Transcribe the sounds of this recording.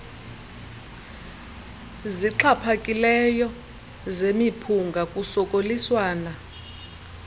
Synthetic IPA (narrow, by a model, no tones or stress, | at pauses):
ziǁʰapʰakʼilɛjɔ | zemipʰuŋɡʱakʼusɔkʼoliswaːna